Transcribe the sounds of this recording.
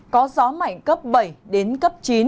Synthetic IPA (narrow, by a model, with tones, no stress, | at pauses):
kɔ˨˦zɔ˨˦ma̰˧˨jŋkə˦˥p̚ɓə˧˩jɗe˨˦nkə˦˥p̚t͡ɕi˨˦n